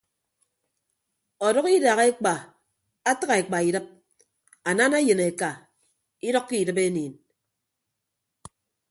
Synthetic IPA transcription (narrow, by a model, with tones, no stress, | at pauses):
o˨dɔ˦ki˦da˨ɣe˦k͡pa˨ | a˦ta˦ɣa˨e˨k͡pa˨i˨dɨ˦p̚ | a˨na˦na˦jɨ˨ne˨ka˨ | i˦dɔ˦kːi˦˨dɨ˦pe˦niː˨n